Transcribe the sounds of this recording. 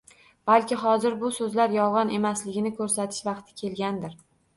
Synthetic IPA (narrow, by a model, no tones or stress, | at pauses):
b̥alkʲɪɦɒzɪɾbʊsɵzlaɾjɒwʁɑnʔe̞maslɪɡʲɪnɪkʰɵɾsat̪ʰɪ̥ʃvɑqt̪ʰɪ̥kʲʰe̞lɡʲand̪ɪɾ